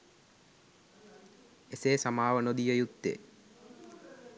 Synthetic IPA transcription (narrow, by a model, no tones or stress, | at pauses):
eseːsamaːʋənod̪ijəjut̪ːḛ